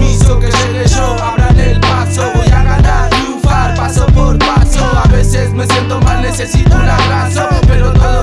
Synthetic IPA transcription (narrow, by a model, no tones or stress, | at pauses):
isokezeneʒo | apɾalelpasoβojaɣand̪aɾiufaɾpasopoɾpasoaβesesmesjẽnt̪omaznesesit̪onaβɾasopeɾot̪oðo